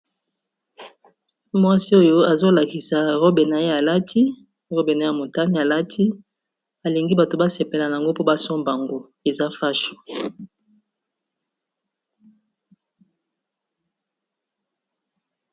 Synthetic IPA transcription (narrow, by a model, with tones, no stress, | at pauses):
mwa˦si˦o˦jo˦a˨zo˦la˨ki˨sa˨ʁo˦be˨na˨je˦ja˨la˦tʰi˦ | ʁo˦be˨na˨˦a˨mo˨ta˦ni˦a˨la˦tʰi˦ | a˨li˨ŋɡi˦ba˨to˨ba˦se˨pe˨la˨na˨a˨ŋɡo˦po˦ba˦sɔ˦mba˨ŋɡo˦ | e˨za˦fa˦ʃo̥˨